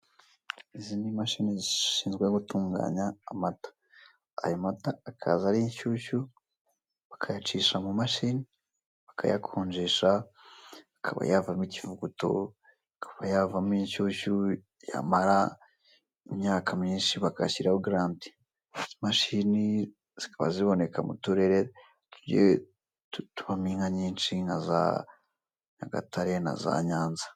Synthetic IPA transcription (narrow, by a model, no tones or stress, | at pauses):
izinimaʃiniziʃiːnzɡweɡutuːŋɡa̰ːɲaːmatḁ̰ː | jomataakʰa̰ːzaɾiɲʃuːʃu | βakʰajat͡ʃiːʃamumaʃini | βakʰa̰ja̰kʰoːɲd͡ʒeʃa | akʰa̰βa̰javamicivuɡuto̞̰ | akʰḁβajavamiɲʃuːʃu | ja̰maɾa | imɲaːkʰamiːnʃiβaka̰ʃiɾauɡɾaːndi̥ | maʃini | z̥ikaβaziβo̞ne̞kʰamṵtuɾeɾe | tuɾɟe | tutuβamiːŋɡaɲiːnʃinaza̰ | ɲaɡa̰taɾena̰za̰ɲaːnza